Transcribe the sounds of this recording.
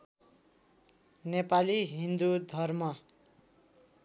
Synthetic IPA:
nepaliɦind̪ud̪ʱʌrmʌ

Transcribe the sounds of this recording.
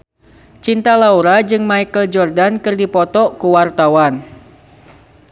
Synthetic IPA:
t͡ʃint̪alauɾad͡ʒɨŋmaikəld͡ʒɔrdankɨrdipɔt̪ɔkuwart̪awan

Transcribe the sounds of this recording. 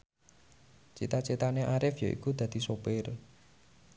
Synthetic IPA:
t͡ʃḭt̪at͡ʃit̪aneʔaɾɪfjo̰ʔḭkud̪̥a̤d̪̥i̤sobɪr

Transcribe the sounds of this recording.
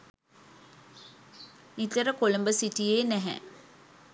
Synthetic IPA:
nit̪əɾəkolumbəsiʈijeːnæɦɛ̰

